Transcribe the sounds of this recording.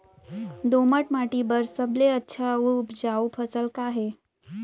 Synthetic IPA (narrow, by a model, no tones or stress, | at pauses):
d̪oməʈmaʈibəɾsəbleətːɕʰaupd͡ʑaupʰəsəlkaɦe